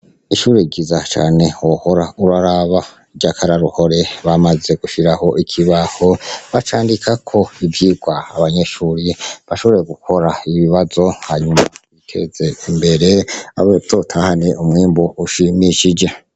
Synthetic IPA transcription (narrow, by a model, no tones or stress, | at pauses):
iʃuːɾeiɡizat͡ʃa̰ːne̞wohoɾauɾaɾaβa | id͡ʒakʰaɾaɾuho̞ɾe̞βamaze̞ɡ̥uʃiɾaho̞ʔikʰiβahoβat͡ʃaːndikʰakʰo̞ivjiːɡwa̰ːβaɲe̞ʃuːɾiβaʃo̞βoɾjeɡukʰo̞ɾaiβiβazo̞haɲumaikʰe̞̰ze̞imbe̞ɾe̞a̰βezotʰahane̞ʔumŋiːmboʔuʃimiʃid͡ʒe̞